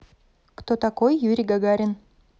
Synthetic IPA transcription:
kt̪ot̪akojːuɾʲiɡaɡaɾʲɪn

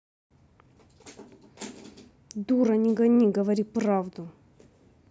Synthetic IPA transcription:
d̪uɾɐnʲɪɡɐnʲiɡəvɐɾʲipravd̪ʊ

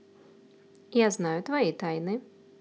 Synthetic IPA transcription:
jaznajʊt̪vajit̪ajnɨ

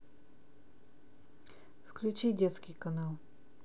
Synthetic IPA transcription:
fklʲut͡ʃidʲɛt̪skʲɪjkɐnalˠ

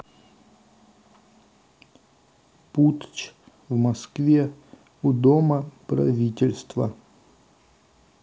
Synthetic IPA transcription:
put̪t͡ɕ | vmɐskvʲe | ud̪oməpɾɐ̰vʲitʲɪlʲst̪və̰

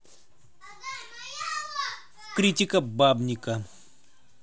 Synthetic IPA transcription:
kɾʲit̪ʲikɐbabnʲikɐ

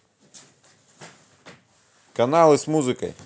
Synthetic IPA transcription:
kɐnɑlˠɪsmuzɨkɐ̰j

